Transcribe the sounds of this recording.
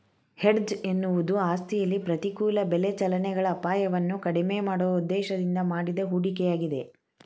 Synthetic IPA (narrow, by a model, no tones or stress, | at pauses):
heɖd͡ʒe̞nːuʋud̪uaːst̪ijɐlːipɾɐt̪ikuːlɐbelet͡ʃɐlɐnɛɡɐɭɐːpaːjɐʋɐnːukɐɽimeːmaːɽɔʋɐud̪ːɛːʃɐd̪ind̪ɐmaːɽid̪ɐɦuːɽikɛjaːɡid̪e̞